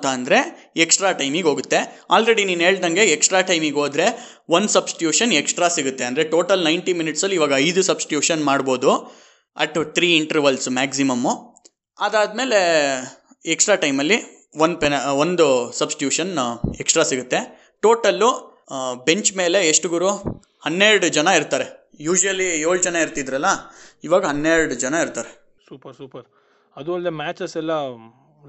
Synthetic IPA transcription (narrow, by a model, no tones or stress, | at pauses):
t̪aːnd̪ɐɾe̞ | eksʈɾaːʈɐjmiɡoːɡut̪ːeaːlɾe̞ɽiniːnɦeːɭd̪ɐŋɡe̞eksʈɾaːʈɐjmiɡɦo̞ːd̪ɾe̞ | ʋɐnd̪sɐbsʈjuːʂɐneksʈɾaːsiɡut̪ːeɐnd̪ɐɾeʈo̞ːʈɐlnɐjɳʈiminiʈsɐlːiʋaːɡɐɐjd̪usɐbsʈjuːʂɐnmaːɖbo̞ːd̪u | ɐ̰ʈːt̪ʰɾiːiɳʈɐɾʋɐlsmæːksimɐmːu | ɐd̪aːd̪̚me̞ːle̞ | eksʈɾaːʈɐjmɐlːi | ʋond̪̚penond̪usɐbsi̥ʈjuːʂɐneksʈɾaːsiɡut̪ːe̞ | ʈo̞ːʈɐlːu | be̞ɲt͡ʃme̞ːle̞ːʂʈɡuɾu | hɐnːeɾɽud͡ʒɐnɐiɾt̪aːɾe̞ | juːd͡ʒuʋɐlːijoːɭd͡ʒɐnɐiɾt̪id̪ɾɐlːɐiʋaːɡɐɦɐnːeɾɽud͡ʒɐnɐiɾt̪aːɾe | suːpɐɾsuːpɐɾ | ɐd̪uɐld̪emaːt͡ʃɐsɛlːɐ